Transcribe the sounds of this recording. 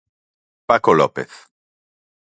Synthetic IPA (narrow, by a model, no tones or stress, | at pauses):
pakolɔ̰peθ